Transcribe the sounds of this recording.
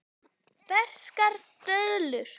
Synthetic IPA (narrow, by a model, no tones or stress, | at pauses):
vɛr̥skaɾt̪œðlʏɾ̥